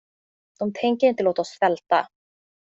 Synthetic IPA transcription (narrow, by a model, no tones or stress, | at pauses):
unt̪ʰejɲcɪɪnt̪ɪlowt̪asvɛlt̪a̰